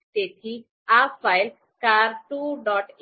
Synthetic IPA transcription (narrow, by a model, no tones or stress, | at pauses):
ʈ̪et̪ʰi | afajl | kaɾʈuɖɔʈ